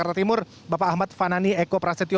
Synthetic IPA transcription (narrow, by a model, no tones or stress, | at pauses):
aɾat̪imʊr | bapaːhmat̪̚fananiɛkopɾasit̪i